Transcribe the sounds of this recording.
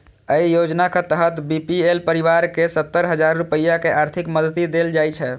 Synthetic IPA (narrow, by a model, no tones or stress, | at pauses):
əijod͡ʒnaket̪əɦət̪bipielpəɾiʋaɾkesət̪ːəɾɦəd͡ʒaɾːupəjːakeʔaɾt̪ʰikməd̪ʱət̪id̪eld͡ʒajt͡ʃʰɛ